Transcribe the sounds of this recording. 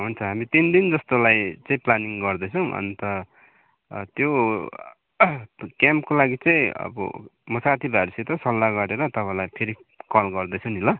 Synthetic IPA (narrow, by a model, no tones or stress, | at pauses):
ɦunt͡sʰʌɦamit̪ind̪ind͡zʌst̪olajt͡sʌ̃ĩplaniŋɡʌrd̪ʌt͡sʰʌw̃ʔʌ̰nt̪ʌ | t̪jo | kjampkolaɡit͡sʌĩʌ̰bʌ̰mʌsat̪ʰibaɾiset̪ʌsʌlːaɡʌɾeɾʌt̪ʌpãlajpʰeɾikʌlɡʌrd̪ʌt͡sʰʌnilʌ